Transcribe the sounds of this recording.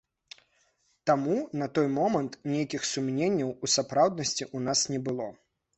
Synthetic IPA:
t̪amunɐt̪ɔjmɔmɐnt̪nʲejɐkʲixsumnʲenʲːɐwusapɾawd̪̚nɐsʲt͡sʲiʔunasnʲɛbɨlˠɔ

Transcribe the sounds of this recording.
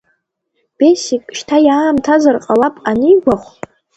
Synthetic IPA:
b̥esikʼʃtʰajaːmtʰazarqʼalapʼanɨjɡʷaχʷ

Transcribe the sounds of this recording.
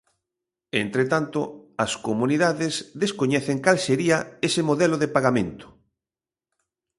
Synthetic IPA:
ent̪ɾet̪ant̪o̰ɐskomũniðaðezðeskoɲɛθeŋkalseɾiɐesemoðɛloðepaɣamẽnt̪ʊ̥

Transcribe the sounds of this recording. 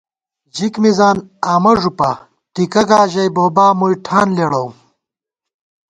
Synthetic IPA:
d͡ʑikmizaːnaːmɐʐupa | ʈ̪ikɐɡaːʑɐjboːbaːmujʈʰaːnleɽɐw

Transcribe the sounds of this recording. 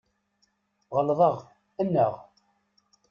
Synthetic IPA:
ʁəlðˤəʁ | ænːəʁ

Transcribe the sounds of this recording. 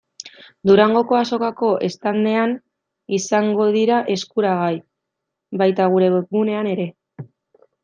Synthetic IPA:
d̪uɾaŋɡo̞ko̞aso̞kako̞ʔe̞st̪and̪e̞an | isaŋɡo̞ð̞iɾaʔe̞skuɾaɣ̞aj | βajt̪aɣ̞uɾe̞βɣune̞ane̞ɾe̞

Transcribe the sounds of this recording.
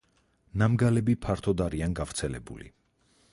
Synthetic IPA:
namɡalɛbipʰaɾt̪ʰɔd̪aɾianɡavɾt̪sʰɛlɛ̰bṵlḭ

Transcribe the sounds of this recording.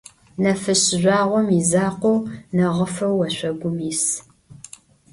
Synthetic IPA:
nɐfɨɕɪʑʷɑːʁʷɔmizaːqʷownɐʁəfɐwːɐɕʷɐɡʷʊmiːs

